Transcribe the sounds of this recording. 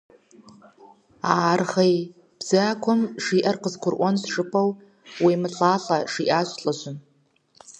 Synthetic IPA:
aːrχej | b̥z̥akʷʰʊmʂiʔarqʼəzɡʷʰʊrʔʷansʂʼɨpʼaw | wimɨɬʼaɬaʂiʔaʃʷɬʼaʒʷʊn

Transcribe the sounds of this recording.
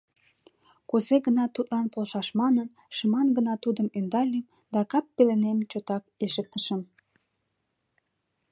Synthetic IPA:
kozeɡənɑt̪ut̪lɑnpolʃɑʃmɑnən | ʃəmɑnɡənɑt̪ud̪əmønd̪ɑlʲim | d̪ɑkɑpːelenemt͡ɕot̪ɑkeʃək̚t̪əʃəm

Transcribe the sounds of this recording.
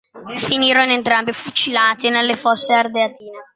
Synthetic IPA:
finiːɾonent̪ɾambifut͡ʃilaːt̪inelːefɔsːeard̪eat̪iːne

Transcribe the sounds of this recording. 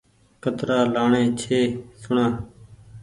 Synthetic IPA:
kət̪ɾaːlaːɳẽːt͡ʃʰeːsʊɳãː

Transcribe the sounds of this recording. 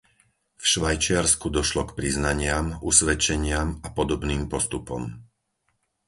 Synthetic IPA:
fʃʋajt͡ʃɪaɾskud̪ɔʃlɔkpɾiznaɲɪamusʋɛt͡ʃɛɲɪamapɔd̪ɔbniːmpɔst̪upɔ̰m

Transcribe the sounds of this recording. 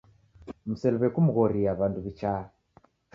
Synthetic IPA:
m̩sɛlβɛkumuɣɔɾiaβanduβit͡ʃa

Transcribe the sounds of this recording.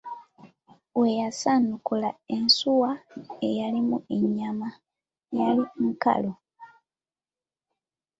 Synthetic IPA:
wejasanukulaensuwaejalimueɲːama | jaliŋ̩ka̰lo

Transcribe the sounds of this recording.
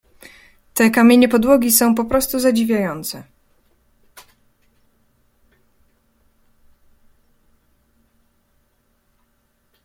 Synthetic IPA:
t̪ɛkamʲjeɲɛpɔd̪wɔɡʲisɔ̃w̃pɔpɾɔst̪uzad͡ʑivʲjajɔnt̪sɛ

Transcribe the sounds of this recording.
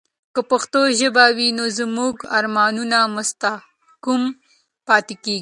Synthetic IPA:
kəpɐxt̪oʒəbawinozmuɡaɾmɑːnunamʊst̪a | kum | pɑːt̪ekeːɡi

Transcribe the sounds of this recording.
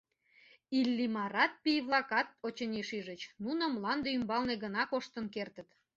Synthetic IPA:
ilʲːimɑɾɑt̪̚pijβlˠɑkɑt̪̚ot͡ɕənʲiʃiʒət͡ɕnunəmlɑnd̪eymbɑlneɣənɑkoʃt̪ə̆nkert̪ət̪

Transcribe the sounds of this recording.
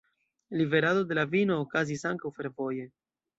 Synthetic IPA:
live̞ɾado̞de̞lavino̞ːkazisaŋkawfe̞ɾvo̞je̞

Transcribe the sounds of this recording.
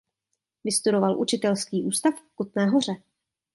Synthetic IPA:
vɪst̪udo̞valʔṵt͡ʃɪt̪ɛlskiːʔuːst̪afkut̪nɛːɦor̝ɛ

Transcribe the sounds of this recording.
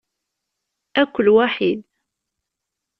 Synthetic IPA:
ækʷːəlwaħid̪

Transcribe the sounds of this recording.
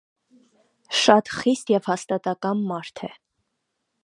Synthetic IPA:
ʃɑt̪χist̪jɛvhɑst̪ɑt̪ɑkɑnmɑɾt̪ʰɛ

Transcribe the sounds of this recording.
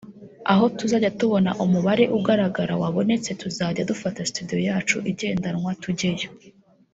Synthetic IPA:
aɦo̞tuzaːɟatuβo̞naʔumuβaɾe̞ʔuɡaɾaɡaɾawaβo̞ne̞t͡se̞tuzaːɟadufatastudijo̞jaːt͡ʃuʔiɟe̞ːndanŋwatuɟejo

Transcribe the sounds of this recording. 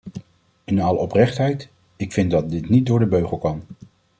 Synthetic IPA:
ɪnɑləɔprɛχtɦɛjt | ɪkfɪntdɑt̚dɪtnit̚dʊːɹdəbøɥχəlˠkɑn

